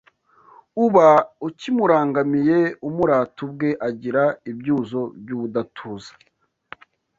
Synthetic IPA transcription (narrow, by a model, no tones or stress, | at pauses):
uβaucimuɾaːŋɡamije̞umuɾaːtubɡe̞ʔaɟiɾaibɟuːzo̞bjuːβudatʰuːzḁ